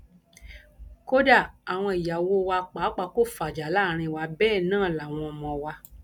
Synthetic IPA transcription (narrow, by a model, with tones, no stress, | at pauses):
ko˦da˦˨a˨w̃ɔ̃˧i˨ja˨wo˧˦˧wa˧k͡pa˨˦k͡pa˧˦ko˦˨fa˨d͡ʒa˨˦la˦˨ɾ̃ĩ˧˨wa˨˦bɛː˦˨nãː˦˨la˨w̃ɔ̃˧ɔ˧mɔ̃˧wa˧